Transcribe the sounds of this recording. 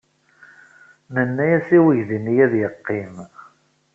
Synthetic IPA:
mənːæjæsiwəʝðinijæðjəqːim

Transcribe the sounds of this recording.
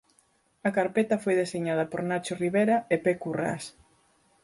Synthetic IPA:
ɐkaɾpet̪ɐfojðeseɲað̞ɐpoɾnat͡ʃoriβeɾɐepekura̰s

